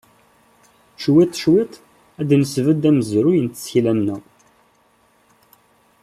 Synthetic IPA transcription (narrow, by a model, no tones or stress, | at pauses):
t͡ʃwit̪ˤːʃwɪt̪ˤ | æd̪nəsvəd̪æməzɾujənt̪ə̥sçilænːæ